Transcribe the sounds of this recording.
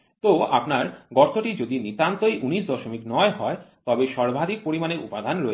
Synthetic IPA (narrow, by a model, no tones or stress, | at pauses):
t̪oa̰pnaɾɡɔʈt̪ʰːoʈid͡ʑod̪init̪ant̪oejʔuniʃd̪ɔʃomiknɔeɦɔet̪ɔbeʃɔɾbʱad̪ʱik̚poɾimaneʔṵpad̪ʱanɾoe